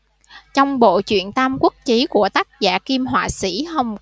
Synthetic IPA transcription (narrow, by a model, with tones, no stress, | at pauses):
t͡ɕɔ˧wŋ͡mɓo̰˧˨t͡ɕwḭ˧˨ənt̪aː˧mkwə˦˥k̚t͡ɕi˨˦ku˧˩ət̪aː˦˥k̚za̰ː˧˨ki˧mɦwa̰ː˧˨sḭ˧˥hə˧wŋ͡m